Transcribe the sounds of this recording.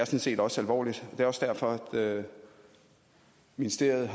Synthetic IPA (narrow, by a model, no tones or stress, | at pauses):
æɐsɒ̽nse̝̰ːd̥ɒ̽sælʋɒ̰ːlid̥ɒ̽d̥e̝ɒ̽sd̥æɐfɒ̽æd̥ø | minisd̥e̝ɐð̩ˠɦ